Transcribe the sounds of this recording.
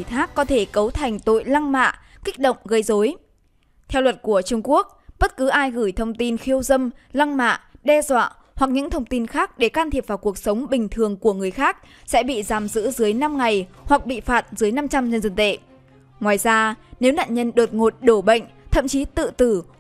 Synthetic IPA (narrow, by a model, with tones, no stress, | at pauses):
t̪ʰaː˦˥kːɔ˨˦t̪ʰe˧˩kə˨˦wt̪ʰa˨˩jŋ̟t̪o̰˧˨jla˧ŋma̰ː˧˨ | kï˦˥k̟̚ɗə̰˧˨wŋ͡mɣə˧˩jzo˨˦j | t̪ʰɛ˧wlwə˨˩t̚ku˧˩ət͡ɕʊ˧ŋ͡mku˦˥ək̚ɓə˦˥t̚kɨ˨˦ʔaː˧jɣɨ˧˩jt̪ʰə˧wŋ͡mt̪i˧nxi˧əwzə˧mla˧ŋma̰ː˧˨ɗɛ˧zwa̰ː˧˨ | hwa˨˩k̚ɲɨ̰˧˥ŋt̪ʰə˧wŋ͡mt̪i˧nxaː˦˥k̚ɗe˧˩kaː˧nt̪ʰi˨˩əp̚vaː˨˩wku˨˩ək̚sə˨˦wŋ͡mɓï˨˩ŋ̟t̪ʰɨ˨˩əŋku˧˩əŋɨ˨˩əjxaː˦˥k̚ | sɛ̰˧˥ɓḭ˧˨zaː˨˩mzɨ̰˧˥zɨ˨˦əjna˧mŋa˨˩jwa˨˩k̚ɓḭ˧˨faː˨˩t̚zɨ˨˦əjna˧mt͡ɕa˧mɲə˧nzə˧˩nt̪ḛ˧˨ | ŋwaː˨˩jzaː˧ne˨˦wna̰ː˧˨nɲə˧nɗo˨˩t̚ŋo˨˩t̚ɗo˧˩ɓə̰˧˨ŋ̟t̪ʰə̰˧˨mt͡ɕi˨˦t̪ɨ̰˧˨t̪ɨ˧˩